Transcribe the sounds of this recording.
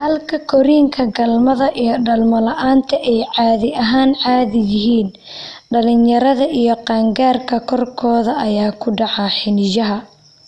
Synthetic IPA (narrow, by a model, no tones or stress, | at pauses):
hɐlkʰɐkʰɔɾiːŋkʰɐɡɐlmɐðɐʔijɞɖɐlmɔlɐʔaːnt̪ʰɐʔɛjʕɑːðɪɐɦaːnʕɑːðɪjɪɦiːn | ɖɐlɪnjɐɾɐðɐʔijɞqɑːŋɡaːrkʰɐkʰɔrkʰɔːðɐʔɐjaːkʰʊɖɑʕɑħɪnɪjɐɦɐ